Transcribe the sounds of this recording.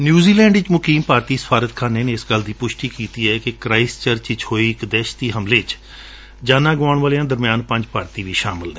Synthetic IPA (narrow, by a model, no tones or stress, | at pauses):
njuːziːlɛ̃ːɳɖɪt͡ʃmʊkiːmpaːɾt̪iːsə̥pʰaːɾət̪kʰaːnːeːneːɪsɡəld̪iːpʊʃʈiːkiːt̪iːɛːkɪkɾaːɪst͡ʃəɾt͡ʃɪt͡ʃhoːiːɪkd̪ɛːʃt̪iːɦəmleːt͡ʃ | d͡ʒaːnãːɡaːɳʋaːlejãːd̪əɾmjaːnpəɲd͡ʒpaːɾt̪iːʋiːʃaːmɪlnɛ̃ː